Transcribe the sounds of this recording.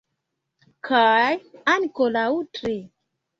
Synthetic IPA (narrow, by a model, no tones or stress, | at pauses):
kʰajankolautɾi